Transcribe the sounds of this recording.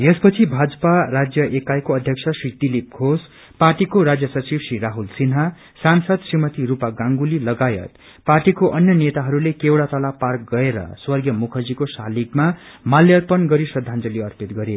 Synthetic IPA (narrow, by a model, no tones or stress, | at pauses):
espʌt͡sʰibʱad͡zʌparad͡zjʌʔekajkoʌd̪ʱjʌkt͡sʰʌsrid̪ilip̚ɡʱos | parʈikoɾad͡zjʌsʌrt͡sibsriɾaɦulsinɦa | sansʌd̪srimʌt̪iɾupaɡãŋɡulilʌɡajʌ̰t̪ | parʈikoʔʌnjʌnet̪aɦʌɾulekewɽat̪ʌlapark̚ɡʌeɾʌ̰swʌrɡjʌmukʰʌd͡zikosalikmamaljʌrpʌnɡʌɾisʌd̪ʱːand͡zʌliʌrpit̪ɡʌɾe